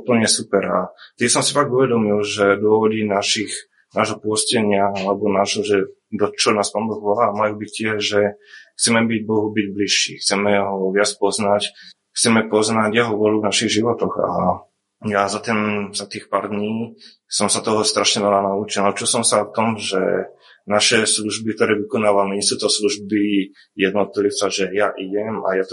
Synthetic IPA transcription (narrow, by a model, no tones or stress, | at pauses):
upl̩ɲɛsupɛɾat̪isɔmsifaɡuʋɛd̪ɔmilʒɛd̪ʊɔʋɔdinaʃix | naːʒɦɔpʊɔscɛɲɪaalɛbɔnaːʒɦɔʒɛ | d̪ɔt͡ʃɔnaːspɔnbɔɣʋɔlaːmajuːbictːɪɛʒɛxt͡sɛmɛbiɟ̚bɔɦubiɟbliʃːḭːxt͡sɛmɛɦɔʋɪat͡spɔznac | xt͡sɛmɛpɔznaɟjɛɦɔʋʊɔluvnaʃiɣʒiʋɔt̪ɔxa̰ | jazat̪ɛnzat̪iːxpaːɾd̪ɲiː | sɔmsat̪ɔɦɔst̪ɾaʃɲɛʋɛlanaut͡ʃilnaut͡ʃilsɔmsaft̪ɔmʒɛ̰ | naʃɛsluʒbikt̪ɔɾɛːʋikɔnaːʋamɛɛsut̪ɔsluʒbi | jɛd̪nɔt̪lit͡saʒɛjaʔiɟɛma̰jat̪